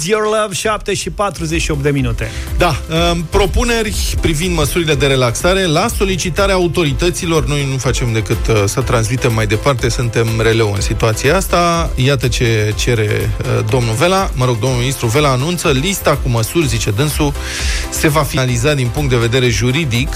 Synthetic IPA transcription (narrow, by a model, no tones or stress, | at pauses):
jorləvʃap̚t̪eʃipat̪ɾuzet͡ʃʃiopd̪e̞minut̪e̞d̪aəpɾo̞pune̞rʲpɾivind̪məsuɾile̞d̪e̞ɾe̞laksaɾe̞laso̞lit͡ʃit̪aɾeaːut̪o̞ɾit̪ət̪silo̞rno̞jnufat͡ʃe̞md̪e̞kɨt̪sət̪ɾansmit̪e̞mːajd̪e̞part̪e̞sunt̪e̞mɾe̞le̞wɨnsit̪uat̪siaast̪ajat̪ət͡ʃe̞t͡ʃe̞ɾe̞d̪o̞mnuve̞laməɾo̞ɡ̚d̪o̞mnuminist̪ɾuve̞laːnunt̪səlist̪akuməsurʲzit͡ʃe̞d̪ɨnsu | se̞vafilizat̪̚d̪inpuŋkt̪d̪eve̞d̪e̞ɾe̞ʒuɾid̪ik